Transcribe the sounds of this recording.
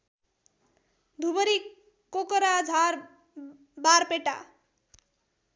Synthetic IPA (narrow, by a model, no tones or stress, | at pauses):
d̪ʱubʌɾi | kokʌɾad͡zʱaɾ | baɾpeʈa̰